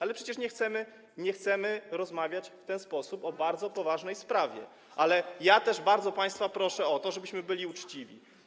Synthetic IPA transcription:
alɛpʂɛt͡ɕɛʂɲɛxt̪sɛmɘ | ɲɛxt̪sɛmɘɾɔzmavʲjat͡ɕft̪ɛnspɔsupɔbaɾd̪zɔpɔvaʐnɛjspɾavʲjɛ̰ | ʔalɛjat̪ɛʐbaɾd̪zɔpaj̃st̪fapɾɔʂɛɔt̪ɔʐɛbɘɕmɘbɘlʲiut͡ʂt͡ɕivʲḭ

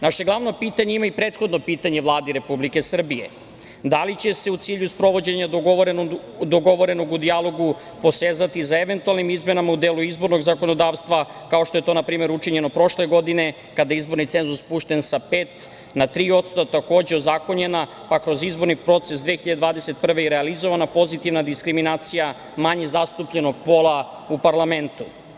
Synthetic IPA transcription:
naʃe̞ɡlˠaʋno̞piːt̪aɲeimaipɾeːt̪xo̞d̪no̞piːt̪aɲe̞ʋlˠaːd̪iɾe̞publike̞sr̩bije̞̰ | d̪alit͡ɕe̞se̞ut̪siːʎuspɾo̞ʋo̞d͡ʑeɲaɾ | d̪oɡo̞ʋo̞ɾe̞no̞ɡud̪ialˠo̞ɡu | po̞seːzat̪isaeʋe̞nt̪ualˠnimizme̞namaud̪eːluizbo̞ɾno̞ɡzako̞no̞d̪aːʋst̪ʋa | kao̞ʃt̪oe̞t̪onapɾiːme̞ɾut͡ʂiɲe̞no̞pɾo̞ʃleɡo̞d̪ine̞ | kad̪ajaizbo̞ɾnit̪se̞nzuspuːʃt̪e̞nsapeːt̪ | nat̪ɾiːo̞t̪st̪ot̪ako̞ːd͡ʑeozako̞ɲe̞na | pakɾo̞zizbo̞ɾnipɾo̞t̪se̞sd̪ʋeːxiʎad̪ed̪vaːd̪ese̞t̪pr̩ʋeiɾealizo̞ʋanapo̞zit̪iʋnad̪iskɾiminaːt̪sija | maɲezast̪upʎe̞no̞ɡpo̞lˠa | upaɾlˠament̪u

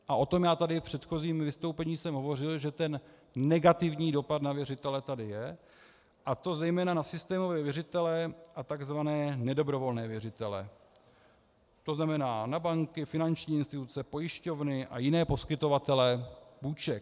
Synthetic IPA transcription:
ʔaʔo̞t̪o̞mjaːt̪adɪfpr̝̥ɛt̪xo̞ziːmvɪst̪owpɛɲiːsɛmɦovo̞rɪlʒɛt̪ɛnː | ɛɡat̪ɪvɲiːdo̞pad̪navjɛrɪt̪ɛlɛt̪adɪjɛ | ʔat̪o̞zɛjmɛːnanasɪst̪ɛːmo̞vɛːvjɛrɪt̪ɛlɛʔat̪aɡzvanɛːnɛdo̞bɾo̞vo̞lnɛːvjɛrɪt̪ɛlɛ̰ | t̪o̞znamɛnaːnabaŋkɪfɪnant͡ʃɲiːɪnst̪ɪt̪ut͡sɛpo̞jɪʃco̞vnɪʔa̰jɪnɛːpo̞skɪt̪o̞vat̪ɛlɛpuːt͡ʃɛk

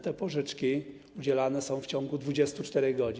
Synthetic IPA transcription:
t̪ɛpɔʐɘt͡ʂkʲi | ud͡ʑɛlanɛsɔ̃w̃ft͡ɕɔ̃ŋɡud̪vud͡ʑɛst̪ut͡ʂt̪ɛɾɛɣɡɔd͡ʑi

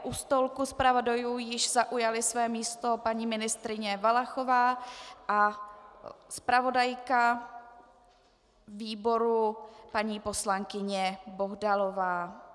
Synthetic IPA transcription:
ʔust̪olkuspɾavodajuːjɪʃzaʔujalɪsvɛːmiːst̪o̞paɲiːmɪnɪst̪ɾɪɲɛvalaxo̞vaːʔa | spɾavo̞dajka | viːbo̞ɾupaɲiːpo̞slaŋkɪɲɛbo̞ɦdalo̞vaː

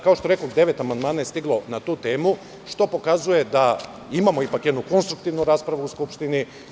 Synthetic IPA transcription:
kaoʃt̪oekoɡd̪e̞ʋe̞t̪amand̪maːnajest̪iɡlˠo̞nat̪uːt̪e̞ːmu | ʃt̪o̞po̞kazuje̞d̪a | imamo̞ipakjed̪nuko̞nst̪ɾukt̪iʋnuɾaːspɾaʋuuskupʃt̪ini

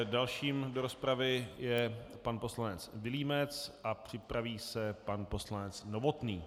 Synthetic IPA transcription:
dalʃiːmdo̞ɾo̞spɾavɪjɛpanpo̞slanɛt͡svɪliːmɛt͡sʔapr̝̥ɪpɾaviːsɛpanpo̞slanɛt͡snovo̞t̪niː

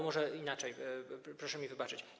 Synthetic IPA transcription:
mɔʐɛinat͡ʂɛjpɾɔʂɛmʲivɘbat͡ʂɘt͡ɕ

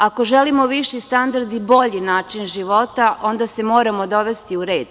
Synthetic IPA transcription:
ako̞ʒelimo̞ʋiʃist̪and̪aɾd̪ibo̞ʎinaːt͡ʃinʒiʋo̞t̪aʔo̞nd̪asemo̞ːɾamo̞d̪o̞ʋe̞st̪iuɾe̞ːd̪̥

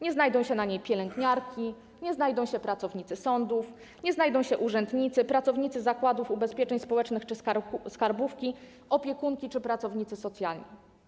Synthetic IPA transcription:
ɲɛznajd̪ɔ̃w̃ɕɛnaɲejpʲjɛlɛŋɡɲaɾkʲi | ɲɛznajd̪ɔ̃w̃ɕɛpɾat̪sɔvɲit̪sɘsɔnd̪uf | ɲɛznajd̪ɔ̃w̃ɕɛʔuʐɛnd̪ɲit̪sɘpɾat̪sɔvɲit̪sɘzakwad̪ufubɛspʲjɛt͡ʂɛɲspɔwɛt͡ʂnɘxt͡ʂɘsskaɾbufkʲi | ɔpʲjɛkuŋkʲit͡ʂɘpɾat̪sɔvɲit̪sɘsɔt̪sʲjalɲḭ

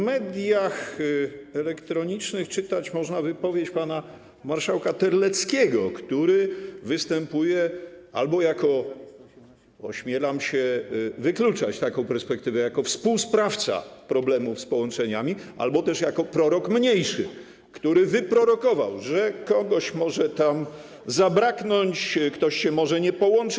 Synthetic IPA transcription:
mɛd̪ʲjax | ɛlɛkt̪ɾɔɲit͡ʂnɘxt͡ʂɘt̪at͡ɕmɔʐnavɘpɔvʲjet͡ɕpana | maɾʂawkat̪ɛɾlɛt̪skʲɛɡɔkt̪uɾɘvɘst̪ɛmpujɛa̰lbɔjakɔ | ɔɕmʲjɛlamɕɛvɘklut͡ʂat͡ɕt̪akɔ̃w̃pɛɾspɛk̚t̪ɘvɛjakɔfspuwspɾaft̪sa̰pɾɔblɛmufspɔwɔnt͡ʂɛɲamʲiʔa̰lbɔt̪ɛʂjakɔpɾɔɾɔkmɲejʂɘ | kt̪uɾɘvɘpɾɔɾɔkɔva̰wʐɛkɔɡɔɕmɔʐɛt̪am | zabɾaknɔɲt͡ɕkt̪ɔɕɕɛmɔʐɛɲɛpɔwɔnt͡ʂ

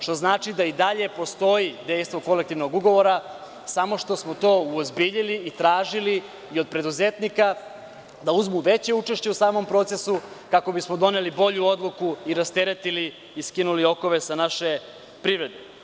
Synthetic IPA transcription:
ʃt̪o̞znaːt͡ʃid̪aid̪aʎe̞po̞st̪o̞id̪ejst̪ʋo̞ko̞lek̚t̪iʋnoɡuɡo̞ʋo̞ɾa | samo̞ʃt̪o̞smo̞t̪o̞ːuozbiʎiliːt̪ɾaːʒiliː | o̞d̪̚pɾe̞d̪uzet̪nika | d̪auzmuʋe̞t͡ɕe̞ut͡ʂe̞ʃt͡ɕe̞usaːmo̞mpɾo̞t̪sesukako̞bismo̞d̪o̞ne̞libo̞ʎuo̞d̪lˠukuiɾast̪e̞ɾet̪iliː | skinulio̞ko̞ʋe̞sanaʃe̞ | pɾiʋɾe̞d̪e

